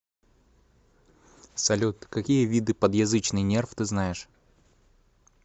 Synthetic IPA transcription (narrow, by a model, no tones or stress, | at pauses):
sɐlʲut̪kɐkʲijəvʲid̪ɨpəd̪jɐzɨt͡ɕnɨjnʲe̞rft̪ɨznajɪʂ